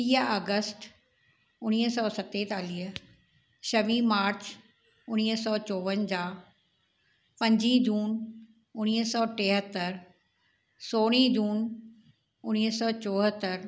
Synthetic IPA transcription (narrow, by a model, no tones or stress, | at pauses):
iːaːɡəsʈ | ʊñiːsɔːsət̪et̪aːliːə | ʃɐʋimaːɾt͡ɕ | ʊñiːɦsɔːt͡ɕɔːʋənd͡ʑaː | pɐ̃ɲd͡ʑid͡ʑuːn | ʊñiːɦsɔːʈeːɦət̪ːəɾ | soːɽ̃id͡ʑuːn | ʊñiːɦsɔːt͡ɕoːɦət̪ːəɾ